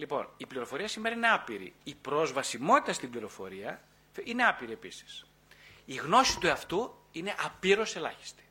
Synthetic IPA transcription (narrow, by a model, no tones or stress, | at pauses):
lipo̞̰nipliɾo̞fo̞ɾiɐsime̞ɾɐineɐpiɾḭipɾo̞zvɐsimo̞t̪i̥t̪ɐst̪ibliɾo̞fo̞ɾiɐ | ine̞ɐpiɾie̞pisi̥s | iɣno̞sit̪uɐft̪u | ine̞ʔɐpiɾo̞se̞lɐ̰çi̥st̪i̥